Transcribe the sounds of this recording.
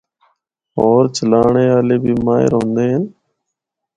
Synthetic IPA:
oːɾt͡ʃəlaːɳeːaːleːbiːmaːɪ̰ɾõːnd̪eːɦən

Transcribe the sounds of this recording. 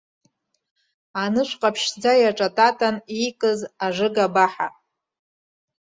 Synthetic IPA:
anɨʂʷqʼapʰʃd͡zajaʈ͡ʂʼatʼatʼanijkʼɨzaʐɨɡabaħa̰

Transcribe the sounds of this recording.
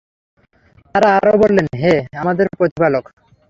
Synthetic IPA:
t̪aɾaaɾobolːenɦeamad̪eɾpɾot̪ipalok

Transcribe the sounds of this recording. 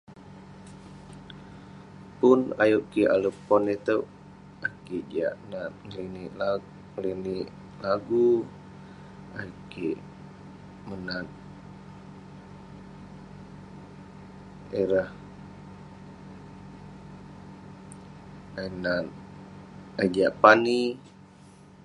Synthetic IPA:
punajuʔkia̰lupɔnet̪əw | akid͡ʒa̰ʔnat̪̚ŋəliniʔla | ŋlini | laɡu | a̰juki | mənat̪̚ | eɾah | ainat̪̚ | ad͡ʒaʔpani

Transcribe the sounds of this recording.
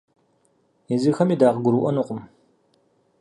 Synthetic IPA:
izɨxɐmiːdaːʁɡʷʊɾuːʔɔnuqʷʼʊm

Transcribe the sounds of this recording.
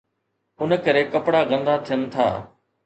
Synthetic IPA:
ʊnəkəɾeːkəpɽaːɣə̃nd̪at̪ʰɪjənt̪ʰa̰ː

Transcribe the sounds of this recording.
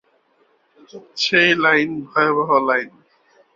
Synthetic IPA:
t͡ɕʰejlajnbʱɔjobɔɦɔlajn

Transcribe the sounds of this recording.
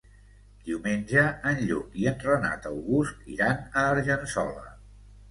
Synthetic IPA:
d̪̥iumenʲʒəːnʎukiənrəna̰t̪əwɣust̪ḭɾanəːɾʒənsɔlə̰

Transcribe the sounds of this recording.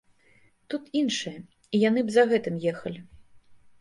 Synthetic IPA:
t̪ut̪inʂɨjɐ | ijanɨbzɐɣɛt̪ɨmjɛxɐlʲi

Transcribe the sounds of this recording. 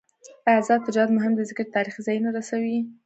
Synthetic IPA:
azɑɪd͡ʒɑd̪mʊɦɪmd̪əzɪkəɾt̪ɑɾixzɑjnaɾasawi

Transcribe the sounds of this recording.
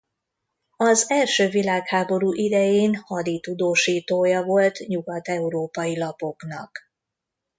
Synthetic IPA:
ɒzɛlʃøːvilaːkhaːbo̞ɾuːʔid̪ɛjeːnhɒd̪it̪ud̪oːʃiːt̪oːjɒvo̞lt̪ɲuɡɒt̪ɛuɾoːpɒjilɒpo̞knɒk

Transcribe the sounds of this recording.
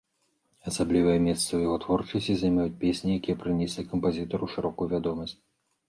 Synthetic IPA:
ɐsablʲivɨjɛmʲɛst̪sɐwjaɣɔt̪vɔrt͡ʂɐsʲtʲizɐjmʲajut͡sʲpʲesʲnʲijakʲijɛpɾɨnʲɛsʲlʲikɐmpazʲit̪ɐɾuʂɨɾɔkujuvʲad̪ɔmɐsʲt͡sʲ

